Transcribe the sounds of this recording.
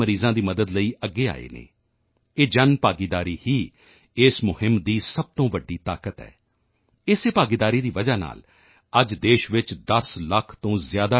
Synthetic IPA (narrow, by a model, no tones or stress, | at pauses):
əɾiːzãːd̪iːməd̪əd̪ləiːʔəɡːeːa̰ːḛːnḛː | eːd͡ʒənpaːɡiːd̪aːɾiːhiː | ɪsmʊhɪmd̪iːsəb̚t̪õːʋəɖːiːt̪aːkət̪ɦɛ̰ː | ɪseːpaːɡiːd̪aːɾiːd̪iːʋəd͡ʒaːna̰ːl | əd͡ʒd̪eːʃʋɪt͡ʃd̪əsləkʰt̪õːzɪjaːd̪aː